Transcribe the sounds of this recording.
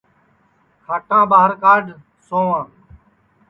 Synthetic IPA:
kʰaːʈãːbaːɦəɾkaːɖ | sõːãː

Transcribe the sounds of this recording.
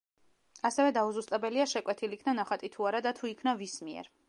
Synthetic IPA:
asɛvɛd̪auzust̪ʼabɛliaʃɛkʼwɛt̪ʰilikʰnanaχat̪ʼit̪ʰuaɾad̪at̪ʰuikʰnavismiɛ̰ɾ

